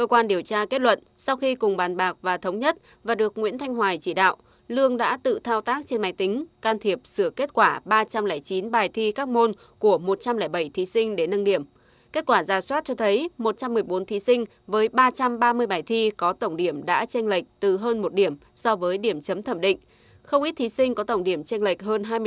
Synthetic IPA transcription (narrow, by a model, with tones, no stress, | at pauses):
kəː˧kwaː˧nɗi˨˩əwt͡ɕaː˧ke˦˥t̚lwə̰˧˨nsa˧wxi˧kʊ˨˩ŋ͡mɓaː˨˩nɓaː˨˩k̚vaː˨˩t̪ʰə˨˦wŋ͡mɲə˦˥t̚ | vaː˨˩ɗɨ˨˩ək̚ŋwḭ˧˥ənt̪ʰa˧jŋ̟ɦwaː˨˩jt͡ɕi˧˩ɗa̰ː˧˨w | lɨ˧əŋɗa̰ː˧˥t̪ɨ̰˧˨t̪ʰaː˧wt̪aː˦˥k̚t͡ɕe˧nma˨˧˩jt̪ï˨˦ŋ̟kaː˧nt̪ʰi˨˩əp̚sɨ˧˩əke˦˥t̚kwaː˧˩ɓaː˧t͡ɕa˧mlɛː˧˩jt͡ɕi˨˦nɓaː˨˩jt̪ʰi˧kaː˦˥k̚mo˧n | ku˧˩əmo˨˩t̚t͡ɕa˧mlɛː˧˩jɓə˧˩jt̪ʰi˨˦sï˧ŋ̟ɗe˧˩˦nːə˧nɗi˧˩əm | ke˦˥t̚kwaː˧˩zaː˨˩swaː˦˥t̚t͡ɕɔ˧t̪ʰə˨˦jmo˨˩t̚t͡ɕa˧mːɨ˨˩əjɓo˨˦nt̪ʰi˨˦sï˧ŋ̟ | vəː˨˦jɓaː˧t͡ɕa˧mɓaː˧mɨ˧əjɓaː˨˩jt̪ʰi˧kɔ˨˦t̪ə˧˩wŋ͡mɗi˧˩əmɗa̰ː˧˥t͡ɕe˧nlə˨˩jk̟̚t̪ɨ˨˩ɦəː˧nmo˨˩t̚ɗi˧˩əm | sɔ˧vəː˨˦jɗi˧˩əmt͡ɕə˨˦mt̪ʰə˧˩mɗḭ˧˨ŋ̟ | xə˧wŋ͡mʔi˦˥t̚t̪i˨˦sï˧ŋ̟kɔ˨˦t̪ə˧˩wŋ͡mɗi˧˩əmt͡ɕe˧nlə˨˩k̚ɦəː˧nɦaː˧j